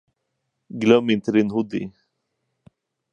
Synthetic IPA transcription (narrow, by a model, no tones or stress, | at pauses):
ɡlœmɪnt̪əd̪inhʊd̪ḭ